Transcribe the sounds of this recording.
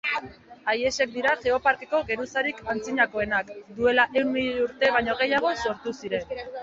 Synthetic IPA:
aje̞se̞k̚d̪iɾaʝe̞o̞paɾke̞ko̞ɣe̞ɾusaɾikant͡siɲako̞e̞nakd̪ue̞laʔe̞wnmiʎeuɾt̪e̞βajɲo̞ɣ̞e̞jaɣ̞o̞so̞ɾt̪usiɾe̞n

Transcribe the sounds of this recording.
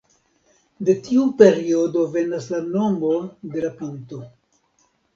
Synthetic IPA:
de̞tiupe̞ɾio̞dove̞naslano̞mode̞lapinto̞

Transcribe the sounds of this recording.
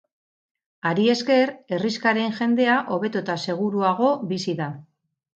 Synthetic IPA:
aɾie̞ske̞ɾe̞riskaɾe̞nʝe̞nd̪e̞aʔo̞βe̞t̪ut̪ase̞ɣ̞uɾuaɣ̞o̞bisiða

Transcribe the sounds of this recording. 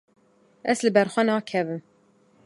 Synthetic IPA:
ɛslɨbɛɾxʷɛnɑːkʰɛvɨm

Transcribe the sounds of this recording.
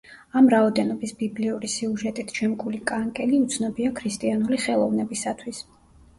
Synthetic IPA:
amɾaɔd̪ɛnɔbisbibliuɾisiuʒɛt̪ʼit̪ʰt͡ʃʰɛmkʼulikʼaŋkʼɛliut̪sʰnɔbiakʰɾist̪ʼianuliχɛlˠɔvnɛbisat̪ʰwis

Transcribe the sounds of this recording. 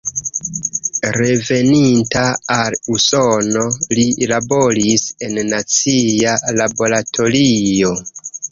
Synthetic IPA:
ɾe̞ve̞nintaːlusono̞lilabo̞ɾise̞nːat͡sialabo̞ɾatʰo̞lio̞

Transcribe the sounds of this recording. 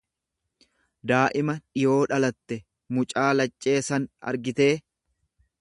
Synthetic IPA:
d̪aːʔɪmɐᶑɪjo̞ːᶑɐlɐt̪ːɛ | mʊt͡ʃʼaːlɐt͡ʃʼːe̞ːsɐnɐ̰ɾɡɪt̪e̞ː

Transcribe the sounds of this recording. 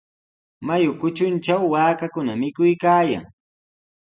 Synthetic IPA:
majʊkʊt͡ʃʊnt͡ʃawːaːkakʊnamɪkʊjkaːja̰ŋ

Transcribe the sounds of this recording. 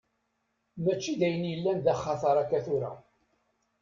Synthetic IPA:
mæt͡ʃːiðæjənjəlːænðæχːɑθɑɾˤækːæθʊɾæ̰

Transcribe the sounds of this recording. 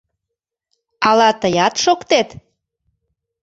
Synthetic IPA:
ɑlɑt̪əjɑt̪ʃokt̪et̪

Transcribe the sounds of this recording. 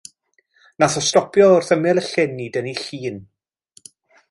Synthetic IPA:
naθɔstɔpʰjɔʊrθəmɪlˠəɬɪnːiːdəniɬiːn

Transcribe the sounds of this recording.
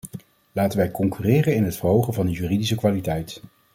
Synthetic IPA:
laːtənʋɛjkɔŋkyːrɪːrənɪnɦətfərɦowχənvɑndəɦyːridisəkʋaːlitɛjt

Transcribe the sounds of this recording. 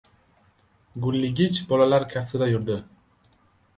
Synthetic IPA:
ɡʊlːɪɡʲɪt͡ʃbɒlalaɾkʲʰafsɪd̪ajʊɾd̪ɪ

